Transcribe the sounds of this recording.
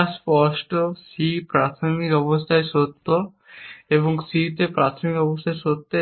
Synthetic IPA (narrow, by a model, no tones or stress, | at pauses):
spɔsʈosipɾat̪ʰomikɔbost̪ʰaeʃot̪ːo | eboŋsit̪epɾat̪ʰomikɔbost̪ʰaesot̪ːe